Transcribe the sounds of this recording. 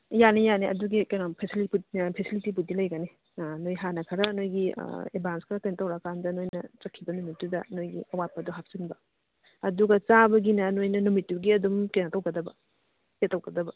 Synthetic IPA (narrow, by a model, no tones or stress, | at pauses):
janijaneʔɐ̰duɡikɐjnapʰesilipupʰesilitip̬udilɐjɡani | nojɦanɐkʰɐɾɐnojɡḭebanskʰɾɐkɐjntɐwɾɐkʰandɐnojnɐt͡ʃɐkʰːibɐnumitːudɐnojɡḭɐwat̚pɐduɦak̚sinbɐ | ɐduɡɐt͡ʃabɐɡinɐnojnɐnumitːuɡiɐdumkenatɐwɡɐdɐbɐ | setːɐwɡɐdɐbɐ